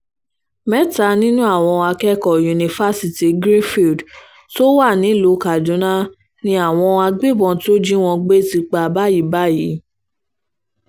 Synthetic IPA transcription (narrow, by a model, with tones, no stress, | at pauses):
mɛ˦ta˧nĩ˦nũ˦a˦˨w̃ɔ̃˧a˧kɛ˦kɔ˨ju˨nĩ˨fa˦si˨ti˨ɡɾi˦fi˨d | to˦wa˦˨nĩ˨˦lo˨˦ka˨dũ˨˦nã˦ | nĩ˧a˦˨w̃ɔ̃˧a˧ɡ͡be˦˨bɔ̃˧to˦d͡ʒi˦w̃ɔ̃˧ɡ͡be˦ti˧k͡pa˧ba˦ji˨˦ba˦ji˨˦